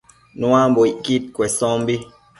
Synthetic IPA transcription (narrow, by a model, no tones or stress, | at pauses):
nwamboikit̚kwɛsɔmbi